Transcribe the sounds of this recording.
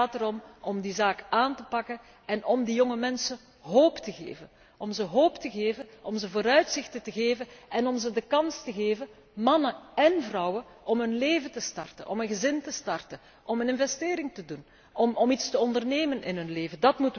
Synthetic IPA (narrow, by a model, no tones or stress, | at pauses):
aːtəɾɔmʔɔmdizaːkʔaːntəpɑkən | ɛnʔɔmdijɔŋəmɛnsə | ɦoːptəɣḛːvən | ʔɔmzəɦoːptəɣeːvənʔɔmzəvoːɾœɥtsɪxtətəɣeːvənɛnɔmzədəkɑnstəɣeːvən | mɑnəɛnvrɔwə | ʔɔmɦɵnleːvətəstɑrtə̰nʔɔ̰mɦənɣəzɪntəstɑrtən | ʔɔmənɪnvɛsteːɾɪŋtədun | ɔmɔmitstəɔndərneːmənɪ̰nɦɵnleːvəndɑtmut